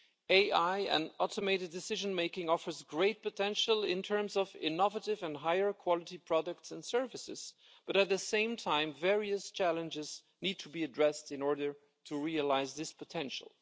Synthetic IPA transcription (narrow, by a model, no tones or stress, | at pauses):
eɪʔaɪɨ̰̃nɔlˠtəmeɪɾɨddɨsɪʒɨ̃nmeɪkɪ̃ŋɔfə˞zɡɹeɪt̚pətʰɛ̃nʃəl̩ˠɪ̰̃ntʰɜ̃˞mzʌvɪ̰nɔvəɾɪvɨ̃ndɦaɪə˞kʰw̥ɑlˠɨɾipʰɹ̥ɑdək̚tsə̃nsɜ˞vɨsɪ̰z̥ | b̥ʌɾɨt̪̚ðɨsẽɪ̃mtʰãɪ̃ɱvɛɹiɨst͡ʃʰælˠə̃nd͡ʒɪz̥ | nid̚tʰubiɨdɹɛstɨ̃nɔɹdə˞ | tʰuɹiəlaɪzðɪspʰətʰɛ̃nʃə̰l̩ˠ